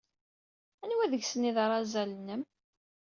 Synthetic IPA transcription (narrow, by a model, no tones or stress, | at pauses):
ænwæðəʝsənːiðɾˤɑzælənːəm